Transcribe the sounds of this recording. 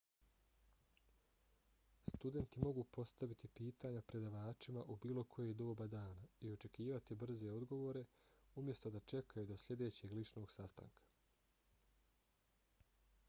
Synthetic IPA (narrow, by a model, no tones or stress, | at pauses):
st̪ud̪e̞nt̪imo̞ɡupo̞st̪aʋit̪ipiːt̪aɲapɾe̞d̪aʋaːt͡ʃimaʔubiːlo̞kʰo̞jed̪o̞ːbad̪aːnaio̞t͡ʃe̞kiːʋat̪ibr̩ze̞o̞d̪ɡo̞ʋo̞ːɾe̞umje̞st̪o̞d̪at͡ʃe̞kʰajud̪o̞sʎʲe̞d̪e̞ːt͡ɕe̞ɡlit͡ʃno̞ːɡsast̪a̰ŋkʰḁ